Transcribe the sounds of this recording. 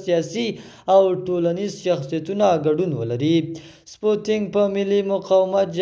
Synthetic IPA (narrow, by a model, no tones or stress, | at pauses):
sijɑsi | awʈolanizʃaxsijat̪unaɡaɖunwə̰laɾi | spoʈɪŋɡpəmɪlimʊqɑwɪmat̪̚d͡ʒ